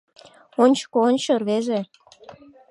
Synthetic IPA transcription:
onʲt͡ɕkoonʲt͡ɕɤrβeʒe

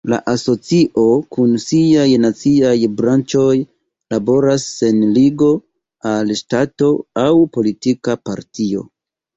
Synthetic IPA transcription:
la̰ʔaso̞t͡siʔo̞kunsiajnat͡siajbɾant͡ʃo̞j | labo̞ɾase̞nliɡo̞ | alʃtato̞awpo̞litikapaɾtio̞̰

